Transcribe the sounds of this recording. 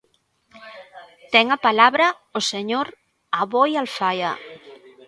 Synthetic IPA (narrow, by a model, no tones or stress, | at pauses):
t̪ɛŋapalaβɾɐ | oseɲoɾ | aβojalfajɐ̰